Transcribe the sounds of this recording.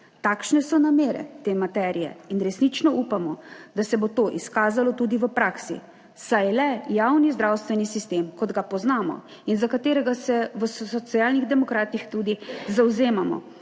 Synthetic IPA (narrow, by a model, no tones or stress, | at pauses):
t̪aːkʃnɛsɔnameːɾɛ̰t̪emat̪ɛːɾijɛ̰inɾɛsnit͡ʃnɔʔupamɔd̪asɛbot̪oʔiskaːzalɔt̪ud̪iʋəpɾaːksḭ | sajlɛjawnizd̪ɾawst̪ʋɛnisist̪eːmkɔd̪ɡapɔznaːmɔ̰ | inzakat̪eːɾɛɡasɛʋəssɔt̪siaːlniɣd̪ɛmɔkɾaːt̪ixt̪uːd̪izawzeːmamɔ̰